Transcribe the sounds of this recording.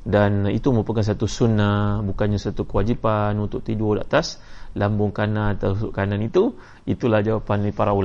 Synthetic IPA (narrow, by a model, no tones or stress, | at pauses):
danḭt̪uməupakans̬at̪usunabukanɲasat̪ukəwad͡ʒipanunt̪ʊk̚t̪idodaʔat̪aslambʊŋkanant̪asʊʔkananit̪u | it̪ulahd͡ʒawapanipaɾaula